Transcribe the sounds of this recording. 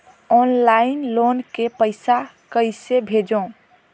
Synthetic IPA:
ɔnlaɪnlonkepəɪsa | kəɪsebʱed͡ʒõ

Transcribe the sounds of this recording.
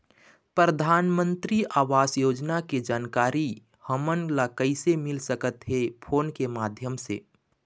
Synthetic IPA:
pɾəd̪ʱaːnmə̃nt̪ɾiʔaːʋaːsjoːd͡ʒnaked͡ʒaːnkaːɾi | həmənlakəɪsemɪlsəkət̪ɦepʰoːnkemaːd̪ʱjəmsḛ

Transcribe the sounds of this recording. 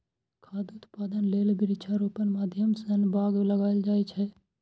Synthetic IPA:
kʰaːd̪uʊt̪paːd̪ənleːlbɪɾɪt͡ʃʰaɾuːpənmaːd̪ʱjəmsənbaːɡləɡaːeld͡ʒaːet͡ʃʰɛ

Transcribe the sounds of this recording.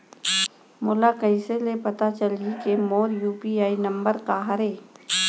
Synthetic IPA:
mʊlakəɪselepɐt̪at͡ʃɐlikemoːɾjuːpiaːinɐ̃mbəɾkaɦɐɾeː

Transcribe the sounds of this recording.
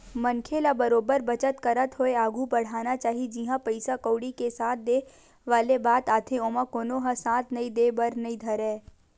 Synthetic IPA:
mɐnkʰelabɐɾoːbəɾbɐt͡ʃət̪kɐɾət̪ɦoeaːɡʱubɐɽ̤aːnat͡ʃaːɦid͡ʒiɦãpɐɪsakoːɽikesaːt̪̚ʰd̪eː | ʋaːlebaːt̪aːt̪ʰẽoːmãkoːnõɦãsãːt̪ʰnɐĩd̪eːbəɾnɐĩd̪ʱɐɾẽː

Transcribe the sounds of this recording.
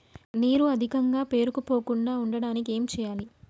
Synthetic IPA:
niːɾuɐd̪ʱikɐŋɡaːpe̞ːɾukupo̞ːkuɳɖaːuɳɖɐɽaːnikie̞ːmt͡ʃɛːjaːli

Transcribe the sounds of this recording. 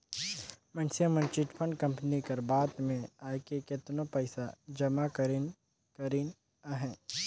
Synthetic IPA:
mɐnsijəmə̃nt͡ʃɪʈpʰə̃ɳɖkɐ̃mpnikɐɾbaːd̪mẽaːekeket̪nopɐɪsad͡ʒɐmakəɾn | kəɾin | aɦɛ̃ː

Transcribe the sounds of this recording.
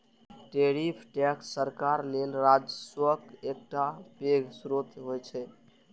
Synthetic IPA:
ʈeɾipʰʈɛksəɾkaɾlelɾad͡ʒəswəkek̚ʈapeɡʱsɾot̪ɦojt͡ʃʰɛ

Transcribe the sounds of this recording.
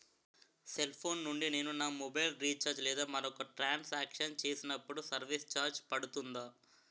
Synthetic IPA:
se̞lpʰoːnːuɳɖine̞ːnunaːmɔbɐjlɾiːt͡ʃɐɾd͡ʒlɛːd̪aːmɐɾɔkɐʈɾaːnsaːkʂɐnt͡ʃe̞ːsinɐpːuɽusɐɾʋist͡ʃaːɾd͡ʒpɐɽut̪und̪aː

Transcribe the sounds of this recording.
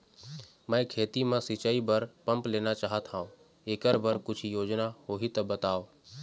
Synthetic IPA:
mə̃ẽkʰeːt̪imãsit͡ʃaːibəɾpə̃mpleːnat͡ʃaːɦət̪ʰãːõ | eːkəɾbəɾkʊt͡ʃʰijoːd͡ʒnaɦoːɦit̪ɐbət̪aːoː

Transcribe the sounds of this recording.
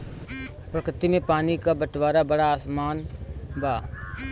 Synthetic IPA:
pɾəkɾɪt̪imẽpaːnikabəʈʋaːɾabəɽaːsmaːnbaː

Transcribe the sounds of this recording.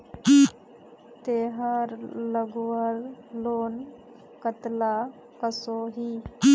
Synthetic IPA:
t̪eːɦaɾləɡwəɾloːn | kət̪la | kəsoːɦiː

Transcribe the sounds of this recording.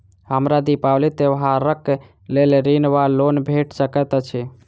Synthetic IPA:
ɦəmɾad̪ipawlit̪eʋɦaɾəkːe | leleɾinʋalonbʱeʈsəkɛt̪t͡ʃʰɛ

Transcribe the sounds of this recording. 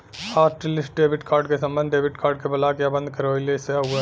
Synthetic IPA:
aːʈlɪsʈ̚ɖeːbɪʈkʰaːɾɖkesɐ̃mbənd̪ɖeːbɪʈkʰaːɾɖ̚kebɐlaːkjabə̃nd̪̚ʱkɐɾoileseɦue

